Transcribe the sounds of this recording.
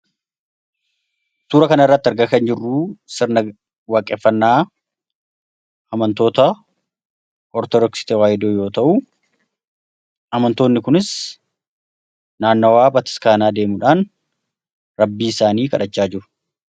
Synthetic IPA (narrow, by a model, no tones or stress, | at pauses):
suːɾɐkɐnɐɪrːɐt̪ːɐɾɡɐkɐnd͡ʒɪrːuːsɪɾnɐ | waːkʼːɛfːɐnːaː | ɐmɐnt̪o̞ːt̪ɐ | ʔɔɾt̪ɔd̪ɔksɪ̥t̪ɛwaːjɪd̪oːjo̞ːt̪ɐʔu | ɐmɐnt̪o̞ːnːɪkʊnɪs | naːnːowaːbɐt̪ɪ̥skaːnaːd̪eːmʊᶑaːn | ɾɐbːiːɪsaːniːkɐᶑɐt͡ʃːaːd͡ʒɪɾʊ̥